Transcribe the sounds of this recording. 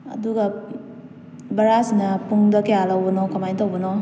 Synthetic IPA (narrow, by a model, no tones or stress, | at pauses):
ɐ̰duɡa | bɐɾasinapuŋdʌkejalawbɔnɔkɔmajtʰawbɔnɔ